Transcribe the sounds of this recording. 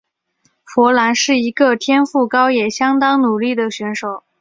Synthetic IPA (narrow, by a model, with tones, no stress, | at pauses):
fwɔ˧˥la˧˥nʂɻ̩˥˩i˧˥ɡə˧t̪ʰjɛ˥nfu˥˩kɑ˥ʊjɛ˨˩ɕjɑ˥ŋt̪ɑ˥ŋnu˨˩li˥˩d̪ə˩ɕɥɛ˧˥nʂo˨˩˦ʊ